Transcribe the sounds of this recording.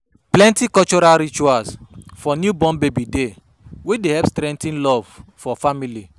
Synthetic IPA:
plɛ̃ntikɔlt͡ʃɔɾalɾit͡ʃuasfɔnjubɔ̃nbebide | wedehɛpstɾɛ̃ntĩnlɔv̥fɔfamili

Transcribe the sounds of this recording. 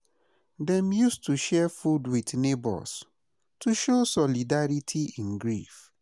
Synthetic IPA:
dɛ̃mjustʰuʃɛfudwitnebɔ̰s | tʰuʃosɔlidaɹitʰiĩnɡɹif

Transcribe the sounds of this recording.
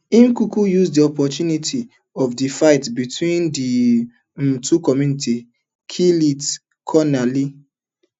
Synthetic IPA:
ĩmkukujuzdiɔpɔtunitʰi | ɔvdifaɪtbitwĩndi | m̩tukɔmjuniti | kʰilit | kʰɔnali

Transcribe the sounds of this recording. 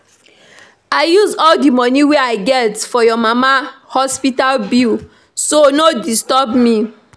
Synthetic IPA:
aɪjuzɔldimɔ̃niweaɪɡɛtfɔjɔmamahɔspitalbil | sonodistɔbmi

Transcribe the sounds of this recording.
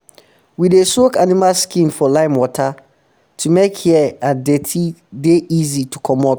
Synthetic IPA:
widesokanimalskĩnfɔlãɪ̃nwɔtʰa | tʰumekhiɛãdetʰideʔizitʰukʰɔ̃mɔp

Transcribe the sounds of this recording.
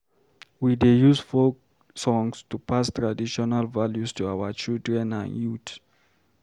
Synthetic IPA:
widejusfok | sɔ̃ŋstupʰastʰɹadiʃɔnalvaljustʰuaʊwət͡ʃildɹɛ̃nã̰njut

